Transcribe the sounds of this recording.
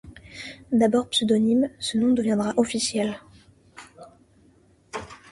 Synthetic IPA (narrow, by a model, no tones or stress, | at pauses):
d̪abɔʁpsød̪ɔnimsənɔ̃d̪əvjɛ̃d̪ʁaʔɔfisjɛl